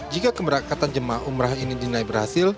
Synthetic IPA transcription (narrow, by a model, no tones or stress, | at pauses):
d͡ʒikakəməɾakat̪and͡ʒəmaumɾahinidinaibərhasɪl